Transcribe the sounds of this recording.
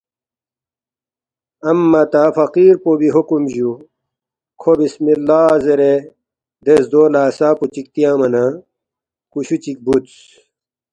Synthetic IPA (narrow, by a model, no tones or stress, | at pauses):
ɐmːɐt̪afɐqiːɾpobiɦokumʑu | kʰobismilːaːzeɾe | d̪esd̪oːlaːsaːput͡ɕik̚t̪ijãːmɐna | kuɕut͡ɕik̚but̪s